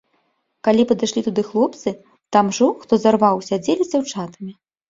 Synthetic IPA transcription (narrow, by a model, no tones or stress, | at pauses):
kalʲipɐd̪ɨʂlʲit̪ud̪ɨxlˠɔp̚t̪sɨ | t̪amʐɔxt̪ɔzarvawsʲad͡zʲelʲizʲd͡zʲawt͡ʂat̪ɐmʲi